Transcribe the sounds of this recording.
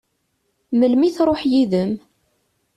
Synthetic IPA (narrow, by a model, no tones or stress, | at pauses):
məlmiθɾˤoħjiðəm